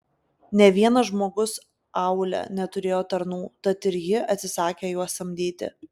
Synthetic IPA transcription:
nʲɛʋʲiɛnɐʒmoːɡʊs | ɑʊlʲɛ̰nʲɛt̪ʊɾʲeːjoːt̪ɐɾnuːt̪ɐt̪ɪɾjɪɐt̪ʲsʲɪsɑːkʲeːjuɔsɐmʲd̪ʲiːt̪ʲɪ̰

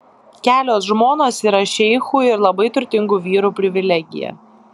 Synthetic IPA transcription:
kʲæːlʲoːsʒmoːnoːsiːɾɐʃʲɛɪxuːɪɾlˠɐbɐɪt̪ʊɾʲt̪ʲɪŋɡuːʋʲiːɾuːpʲɾʲɪʋʲɪlʲɛɡʲɪ̰jɛ̰

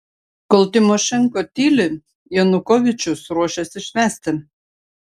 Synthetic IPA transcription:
kolˠt̪ʲɪmoʃɛŋkot̪ʲilʲɘ | jonukovʲɪt͡ʃusruɔʃʲɛsɪʃʲmʲæst̪ɘ

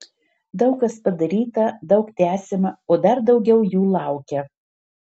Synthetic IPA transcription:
d̪ɐʊkːɐspɐd̪ɐɾʲiːt̪ɐd̪ɒʊkt̪ʲæːsʲɪmɐoːd̪ɐɾd̪ɒʊɡʲɛʊjuːlˠɑˑʊkʲɛ

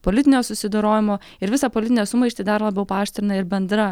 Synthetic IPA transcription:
poːlʲɪt̪ʲɪnʲoːsʊsʲɪd̪oːɾoːjʲɪmoː | ɪɾʋʲɪsɑpoːlʲɪt̪ʲɪnʲɛːsʊmɐɪʃʲt̪ʲɪːd̪ɐɾlˠɑːbʲɛʊpɑːʃʲt̪ʲɾʲɪnɐɪɾbʲɛnd̪ɾɐ

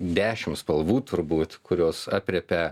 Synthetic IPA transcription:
d̪ʲæːʃʲɪmspɐlˠʋuːt̪ʰʊɾbuːt̪kʊɾʲoːsɑːpʲɾʲɛpʲɛ

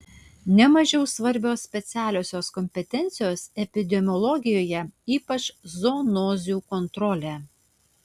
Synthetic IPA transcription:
nʲɛmɐʒʲɛʊsʋɐɾʲbʲoːsːʲpʲɛt̪sʲæːlʲoːsʲoːskɔmʲpʲɛt̪ʲɛnʲt̪sʲɪjoːsɛpʲɪd̪ʲɛmʲɔlˠɔɡʲɪjoːjɛiːpɐt͡ʃzoːnoːzʲuːkɔnt̪ɾɔːlʲæː

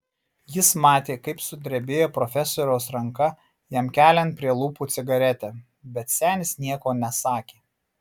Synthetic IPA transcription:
jɪsmɑːt̪ʲeːkɐɪpsʊd̪ʲɾʲɛbʲeːjoːpɾɔfʲɛsoːɾʲɛʊsɾɐŋkɐ | jɛmkʲæːlʲɛnt̪̚pʲɾʲiɛlˠuːpuːt̪sʲɪɡɐɾʲɛt̪ʲɛ | bʲɛt̪sʲæːnʲɪsnʲiɛkoːnʲɛsɑːkʲeː

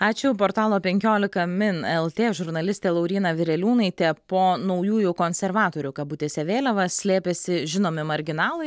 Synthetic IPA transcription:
ɑːt͡ʃʲʊpoːɾt̪ɑːlˠoːpʲɛŋʲkʲoːlʲɪkɐmʲɪnɛlˠt̪ʲeːʒʊɾnɐlʲɪsʲt̪ʲeːlˠɐʊɾʲiːnɐʋʲɪɾʲɛlʲuːnɐɪt̪ʲɛpoːnɐʊjuːjʊkoːnʲsʲɛɾʋɑːt̪oːɾʲʊkɐbuːt̪ʲeːsʲɛʋʲeːlʲɛʋɐsʲlʲeːpʲesʲɪʒʲɪnoːmʲɪmɐɾʲɡʲɪnɑːlˠɐɪ

